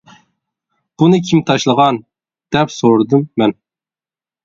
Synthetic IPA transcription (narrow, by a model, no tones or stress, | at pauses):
b̥unɨkʲʰimt̪ʰɑʃlˠəʁɑn | d̪̥ɛpsoɾd̪ɨmːɛn